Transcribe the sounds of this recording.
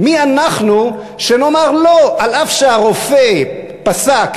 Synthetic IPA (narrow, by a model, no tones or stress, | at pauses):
mianaχnu | ʃeno̞maʁloʔalafʃeaʁofe | pasak